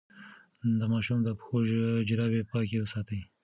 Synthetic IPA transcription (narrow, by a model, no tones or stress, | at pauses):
d̪əmɑʃumd̪əpxoʒd͡ʒɪɾɑbepɑkewəsɑt̪əj